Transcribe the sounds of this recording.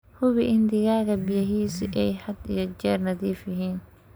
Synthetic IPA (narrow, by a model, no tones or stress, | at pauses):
hʊβɪʔɪnd̪ɪɣaːɣɐbɪjɐɦiːsʔɛjħɐd̪ḭjɞt͡ʃɛːrnɐðiːfjɐɦiːn